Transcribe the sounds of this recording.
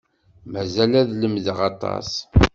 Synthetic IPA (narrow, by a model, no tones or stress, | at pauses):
mæzælæðləmðəʁɑt̪ˤɑ̰s